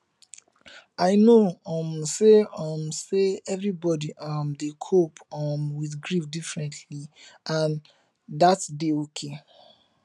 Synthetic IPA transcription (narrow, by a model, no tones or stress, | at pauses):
aɪnoɔ̃mseɔ̃mseɛvɹibɔdiʔɔmdekʰopɔmwiðɡɹifdifɹɛ̃ntʰliãn | datdeokʰe